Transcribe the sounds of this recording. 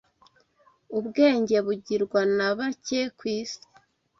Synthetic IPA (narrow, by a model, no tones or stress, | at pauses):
ubɡe̞ːɲɟe̞βuɟiɾɡwanaβacekwiːsi̥